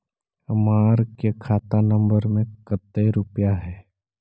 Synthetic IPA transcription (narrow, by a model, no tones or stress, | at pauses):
maːɾkekʰaːt̪anɐ̃mbəɾmẽkət̪ːeɾʊpjaɦɛː